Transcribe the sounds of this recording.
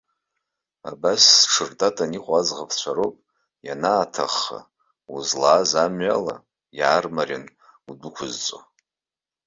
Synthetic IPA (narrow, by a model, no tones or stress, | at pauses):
a̰basːʈ͡ʂʰɨrdatʼaniqʷʼazʁapʰt͡ɕʷʰaɾowpʼ | janaːtʰa̰χa̰ | uzlaːzamɥala̰ | jaːrmarʲɪn | udʊkʷʰʊzt͡sʷʼo